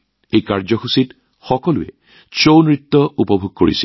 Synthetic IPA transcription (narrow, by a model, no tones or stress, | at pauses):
ejkaɹzɔxusit | xɔkɔluɛ̰ | t͡ʃownɹit̪ːɔupɔbʱuɡ̚koɹḭsi